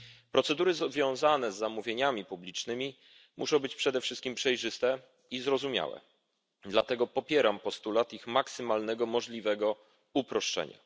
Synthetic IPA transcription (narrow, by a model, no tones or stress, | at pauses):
pɾɔt̪sɛd̪uɾɘzvʲjɔ̃w̃zanɛzːamuvʲjeɲamʲipublʲit͡ʂnɘmʲi | mʔṵʂɔ̃w̃bɘt͡ɕpʂɛd̪ɛfʂɘst̪kʲimpʂɛjʐɘst̪ɛ | izɾɔzumʲja̰wɛ̰ | d̪lat̪ɛɡɔpɔpʲjɛɾampɔst̪ulat̪ixmaksɘmalnɛɡɔmɔʐlʲivɛɡɔ | upɾɔʂt͡ʂɛ̰ɲa̰